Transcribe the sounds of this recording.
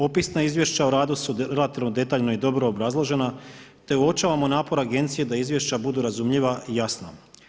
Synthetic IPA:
o̞pisnaizʋje̞ʃt͡ɕauɾaːd̪usuɾelat̪iʋnod̪e̞t̪aːʎno̞id̪o̞bɾo̞ːbɾazlˠoʒe̞nat̪e̞uo̞t͡ʃaːʋamonaːpo̞ɾaɡe̞nt̪sije̞d̪aizʋje̞ʃt͡ɕabud̪uɾazumʎiʋaʔijasna

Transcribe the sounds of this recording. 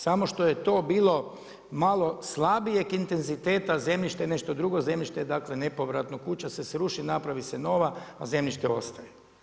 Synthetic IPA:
samo̞ʃt̪o̞je̞t̪o̞ːbiːlˠo̞ | malˠo̞slˠabije̞kint̪e̞nzit̪e̞ːt̪aze̞mʎʲiʃt̪ene̞ʃt̪o̞d̪ɾuɡo̞ze̞mʎiʃt̪ed̪akle̞ne̞po̞ʋɾat̪nokut͡ɕasesɾuʃinapɾaʋiseno̞ʋaːze̞mʎʲiʃt̪eo̞̰st̪aje

